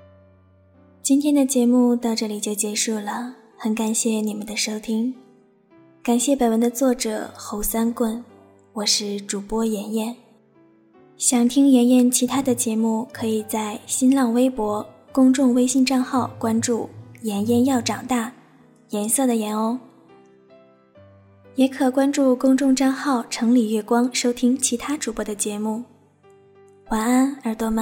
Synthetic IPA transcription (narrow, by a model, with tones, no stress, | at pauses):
t͡ɕi˥nt̪ʰjɛ˥nd̪ə˨t͡ɕjɛ˧˥mu˥˧t̪ɑ˥˧ʊʈ͡ʂɤ˥˩li˨˩t͡ɕjo˥˩ʊt͡ɕjɛ˧˥ʂu˥˩lə˩ | xə˧˥nka˨˩nɕjɛ˥˩ni˨˩mə˧˦nd̪ə˧ʂo˥ʊt̪ʰi˥ŋ | ka˨˩nɕjɛ˥˩pe˨˩ɪwə˧˥nd̪ə˧t͡swɔ˥˩ʈ͡ʂɤ̰˨˩xo˧˥ʊsa˥nkwə˥˩n | wɔ˨˩ʂɻ̩˥˩ʈ͡ʂu˨˩pwɔ˥jɛ˧˥njɛ˥˩n | ɕjɑ˨˩ŋt̪ʰi˥ŋjɛ˧˥njɛ˥˩nt͡ɕʰi˧˥t̪ʰa˥d̪ə˨t͡ɕjɛ˧˥mu˥˩kʰɤ˧˥i˨˩t͡sa˥˩ɪɕi˥nlɑ˥˩ŋwe˥ɪpwɔ˧˥ | kʊ˥ŋʈ͡ʂʊ˥˧ŋwe˥ɪɕi˥˧ŋʈ͡ʂɑ˥˧ŋxɑ˥˩ʊkwa˥nʈ͡ʂu˥˩jɛ˧˥njɛ˥˧njɑ˥˩ʊʈ͡ʂɑ˨˩ŋt̪a˥˩ | jɛ˧˥nsɤ˥˩d̪ə˩jɛ˧˥no˥ʊ | jɛ˧˥kʰɤ˨˩kwa˥nʈ͡ʂu˥˩kʊ˥ŋʈ͡ʂʊ˥˧ŋʈ͡ʂɑ˥˧ŋxɑ˥˩ʊʈ͡ʂʰɤ˧˥ŋli˨˩ɥɛ˥˩kwɑ˥ŋʂo˥ʊt̪ʰi˥ŋt͡ɕʰi˧˥t̪ʰa˥ʈ͡ʂu˨˩pwɔ˧˥d̪ə˧t͡ɕjɛ˧˥mu˥˩ | xwa˧˥na˥nə˞˧˥t̪wɔ˥mə˧˦